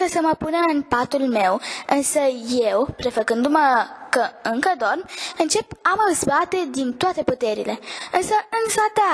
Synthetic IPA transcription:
əsəməpunəɨnpat̪ulme̞wɨnsəje̞wpɾe̞fəkɨnd̪uməkəɨŋkəd̪ormɨnt͡ʃe̞pamazbat̪e̞d̪int̪oat̪e̞put̪e̞ɾḭle̞ɨnsəɨnsat̪a

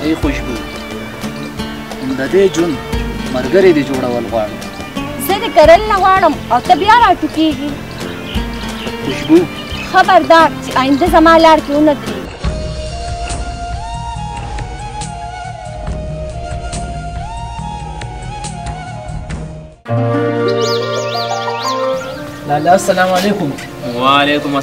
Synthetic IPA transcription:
ejxʊʃbuː | ʊmd̪ad̪ed͡ʒʊnd̪maɾɡəɾed̪ed͡ʒoɽawəlɣwɑːɽi | zəd̪ekaɾalnaɣwɑːɽəmawt̪abjaɾaʈukeɡi | xʊʃbu | xabaɾd̪ɑːɾt͡ʃeʔaːjind̪azamɑːlɑːɾkeunat̪ɾḭ | laːlasalaːmalekʊm | walekʊm

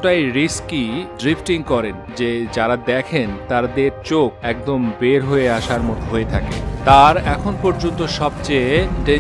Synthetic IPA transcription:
ʈajɾiskiɖɾipʰʈiŋkɔɾend͡ʑed͡ʑaɾad̪ɛkʰent̪aɾad̪eɾt͡ɕokɛk̚d̪ombeɾɦoeaʃaɾmɔt̪oɦoet̪ʰakḛt̪aɾɛkʰonpɔɾd͡ʑont̪oʃɔb̚t͡ɕejʈe

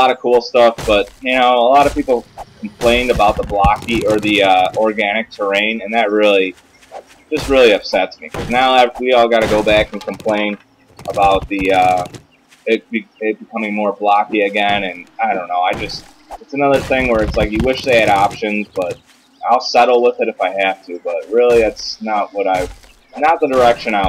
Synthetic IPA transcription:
əlɑɾʌ̥kʰulˠstʌfb̥ʌt̚jɨñoʊəlɑɾʌv̥pipl̩ˠkʰm̩pʰl̥ẽɪ̃ndɨbaʊt̪̚ðəblɑkiʔə˞ðiʌɔɹɡænɨk̚tʰə˞ẽɪ̃nɨ̃nðɨt̚ɹɪlˠi | d̥ʒ̥ʌst̚ɹɪlˠiʌpsɛtsmikʰʌznaʊaɪwiɔlˠɡɑɾɨɡoʊbækn̩kʰə̃m̩pʰl̥ẽɪ̃n | ʔəbaʊt̪̚ðiʌ | ɪt̚b̥ɨɪt̚b̥ɨkʰʌ̃mɪ̃ŋmɔɹblɑkiɨɡɛ̃nɨ̃naɪɾõʊ̃nːoʊaɪd͡ʒʌst̚ | ɨtsɨnʌðə˞θɪ̃ŋwə˞ɨtslaɪkjɨwɪʃðeɪɨɾɑpʃɨ̃nzb̥ʌt̚ | ʔaɪlˠsɛɾl̩ˠwɪðɨɾɨfaɪhæftʰɨbʌt̚ɹɪlˠiðætsnət̚wʌɾaɪ | nət̪̚ðɨdə˞ɛkʃɨ̃naɪ

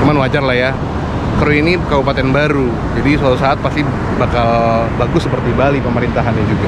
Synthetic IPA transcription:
t͡ʃumanwad͡ʒarlahja | kɾoinikabupat̪ɛnbaɾu | d͡ʒadisat̪usaat̪̚past̪i | bakalbaɡʊsːəpərt̪ibalipəməɾint̪aɦanad͡ʒuɡa

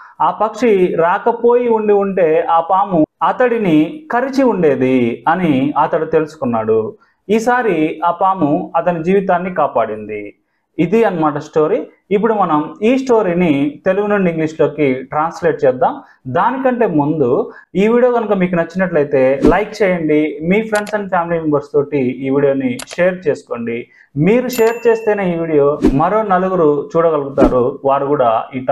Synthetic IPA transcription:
aːpɐkʂiɾaːkɐpo̞ːjiuɳɖiuɳʈe̞ːʔaːpaːmuɐt̪ɐɽinikɐɾit͡ʃiuɳɖe̞ːd̪iɐniɐt̪ɐɽit̪e̞lusu̥kunːaːɽu | iːsaːɾiaːpaːmuɐt̪ɐnid͡ʒiːʋit̪aːnːikaːpaːɽind̪ḭ | id̪iɐnːɐmaːʈ̬ɐsʈo̞ːɾiː | p̬ːuɽumɐnɐmiːsʈo̞ːɾinit̪e̞luɡunuɳɖiiŋɡliːʂlo̞ːkiʈɾaːnsle̞ːʈ̚t͡ʃɛːd̪aːm | d̪aːnikɐɳʈe̞ːmund̪uiːʋiːɽijo̞ːɡɐnukɐmiːkunɐt͡ʃːinɐʈ̬lɐjit̪e̞ːlɐjkt͡ʃɛːjɐɳɖimiːpʰɾeɳɖsɐnpʰjaːmilimembɐɾst̪o̞ːʈiiːʋiːɽijo̞ːniʂe̞ːɐɾt͡ʃe̞ːsu̥ko̞ːɳɖi | miːɾuʂe̞ːɾt͡ʃe̞ːst̪eːneiːʋiːɽijo̞ːmɐɾo̞ːnɐluɡuɾut͡ʃuːɽɐɡɐluɡut̪aːɾuʋaːɾukuːɽaːiːʈ

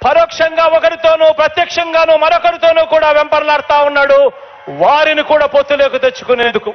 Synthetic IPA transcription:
pɐɾɔːkʂɐŋɡaːɔkɐɾit̪o̞ːnuːpɾɐt̪jɐkʂɐŋɡaːnuːmɐɾɔkɐɾit̪o̞ːnuːkuːɽaːʋempɐɾlaːɽt̪aːunːaːɽu | ʋaːɾinikuːɽaːpot̪ːule̞ːkut̪et͡ʃːu̥kune̞ːnd̪uku

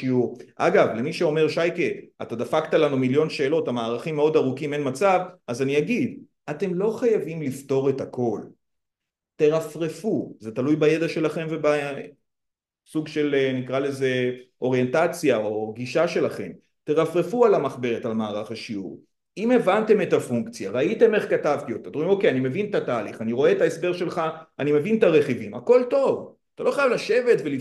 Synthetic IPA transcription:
iuʁʔa̰ɡavle̞miʃeo̞me̞ʁʃajkeʔat̪ad̪afaktalanumiljo̞nʃe̞ːlo̞thamaːʁaχimːeo̞daʁukime̞nmat͡savazaniaɡid̪ | ate̞mlo̞χajavimlifto̞ʁe̞tako̞l | te̞ʁafʁefuzet̪alujbajed̪aʃe̞laχe̞mve̞ba | suɡʃe̞lnikʁale̞ze̞o̞ʁje̞ntat͡sjaoɡiʃaʃe̞laχe̞m | t̪e̞ʁafʁe̞fualamaχbe̞ʁetalmaːʁaχaʃiṵʁ | ime̞vante̞me̞tafuŋkt͡sjaʁait̪e̞me̞χkatavt̪io̞t̪at̪imo̞kejanime̞vintataːliχaniʁo̞e̞t̪aesbe̞ʁʃe̞lχaːnime̞vint̪aʁe̞χivimako̞lto̞v | at̪alo̞χajavlaʃe̞ve̞tveli

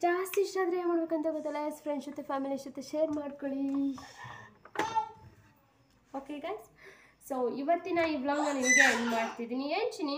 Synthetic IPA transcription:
d͡ʒaːst̪iʃʈaːd̪ɾɐemaːɽbekɐnt̪ɐɡɔt̪ːɐlːɐespɾeɳɖʃut̪ːepʰaːmiliʃut̪ːeʃeːɾmaːɖkoɭi | oːkeɡajz | soːiʋɐt̪ːinɐiʋlɐŋɐninɡenmaːɖt̪id̪iːnient͡ʃini

